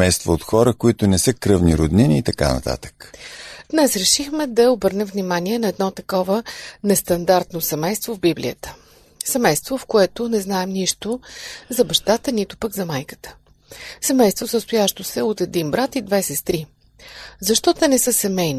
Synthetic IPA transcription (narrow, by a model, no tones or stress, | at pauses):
ɛjst̪voːt̪xɔɾəkoit̪ʊnɛsɤkɾɤvniɾod̪niniːt̪ɐka̰nɐ̰t̪a̰t̪ə̥kd̪̥nɛsɾɛʃixmɛd̪ɐobɤɾnɛmvnimaniɛnɐɛd̪nɔt̪ɐkɔvənɛst̪ɐnd̪aɾt̪nosɛmɛjst̪vovbiblḭət̪ə̥ | sɛmɛjst̪vofkoɛt̪onɛznaɛmniʃt̪ozɐbɐʃt̪at̪ənit̪o̥pəɡzɐmajkə̥t̪ə̥ | sɛmɛjst̪vosəst̪ʊjaʃt̪osɛot̪ɛd̪inbɾat̪id̪vɛsɛst̪ɾi | zɐʃt̪ɔt̪ɛnɛsɤsɛmɛjni